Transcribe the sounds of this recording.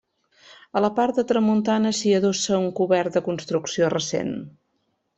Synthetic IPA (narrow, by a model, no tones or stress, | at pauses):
ələpart̪̚d̪ət̪ɾəmunt̪anəsiəðosəuŋkuβɛrt̪̚d̪əkunst̪ɾuksiorəsḛn